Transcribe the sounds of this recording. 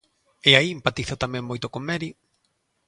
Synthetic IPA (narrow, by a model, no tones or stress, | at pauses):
eaiempat̪iθat̪amɛ̃ŋmojt̪okomɛɾi